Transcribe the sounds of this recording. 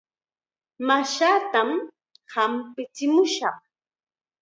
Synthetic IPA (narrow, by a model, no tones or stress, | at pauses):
maʃaːt̪am | hampɪt͡sɪmʊʃɑχ